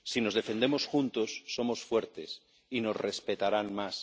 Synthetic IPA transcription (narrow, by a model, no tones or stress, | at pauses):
sino̞zðefe̞nd̪emo̞sxunt̪o̞sːo̞mo̞sfweɾt̪e̞s | ino̞zre̞spe̞t̪aɾanmas